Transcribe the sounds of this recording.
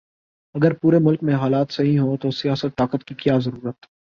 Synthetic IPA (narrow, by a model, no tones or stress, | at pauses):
ɐɡəɾpuːɾemʊlkmẽɦaːlaːt̪sɐɦĩɦot̪osijaːsət̪̚ːaːkət̪kikjaːzɐɾuːɾət̪ː